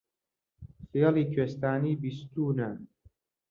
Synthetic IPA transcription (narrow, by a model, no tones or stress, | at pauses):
fijɑliːkʰeːst̪aːniːbist̪uːna